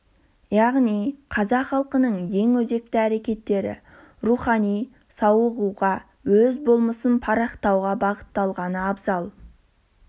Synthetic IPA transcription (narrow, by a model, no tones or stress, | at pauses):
jɑʁnijqʰɑzɑqχɑlˠqənəɴje̞ŋwɵze̞k̚t̪ɪæɾe̞kʲe̞t̪ːe̞ɾɪ̰ | ɾuχɑnij | sɑwəʁuʁɑ | wɵzbolˠməsənpʰɑɾɑqt̪ɑwʁɑbɑʁət̪ːɑlˠʁɑnəɑbzɑlˠ